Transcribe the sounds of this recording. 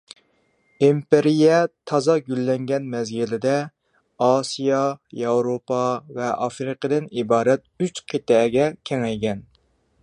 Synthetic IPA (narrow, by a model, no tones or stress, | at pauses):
impɪɾijɛt̪ʰɑzɑɡʲylːɛŋɡʲɛnmɛzɡʲilɪd̪ɛ | ɑːsijɑjɑwɾopɑvɛʔɑfɾɨqʰəd̪ɨnibɑːɾɛt̪̚yt͡ʃqʰet̪ɛːɡʲɛkʲʰɛŋɛjɡʲɛn